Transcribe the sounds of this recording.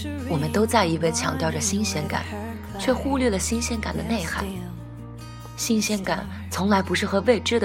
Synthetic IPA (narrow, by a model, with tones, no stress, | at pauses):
wɔ˨˩mə˦nt̪o˥ʊt͡sa˥˩ɪi˧˥we˥˩ɪt͡ɕʰjɑ̰˧˩ŋt̪jɑ˥˩ʊʈ͡ʂə˩ɕi˥nɕjɛ˥nka̰˨˩˦n | t͡ɕʰɥɛ˥˧xu˥˧lɥɛ˥˩lə˩ɕi˥nɕjɛ˥nka̰˨˩nd̪ə̰˦ne˥˩ɪxa̰˥˩˦ɪ | ɕi˥nɕjɛ˥nka̰˨˩˦n | t͡sʰʊ˧˥ŋla˧˥ɪpu˧˥ʂɻ̩˥˩xɤ˧˥we˥˩ɪʈ͡ʂɻ̩˥d̪ə˨